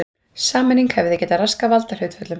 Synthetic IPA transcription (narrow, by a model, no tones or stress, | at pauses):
saːmɛnːiŋkhɛvɪðɪcɛːt̪araskavalt̪aɾ̥hʏɥt̪fɛt̪lʏm